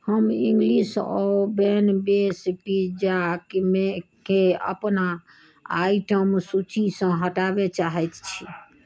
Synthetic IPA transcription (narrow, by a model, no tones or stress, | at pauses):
həmĩŋɡlisɔ̰bɛnbespid͡ʒakmekeə̰pna | aiʈəmsut͡ʃisə̃ɦəʈabet͡ʃaɦɛt̪t͡ʃʰi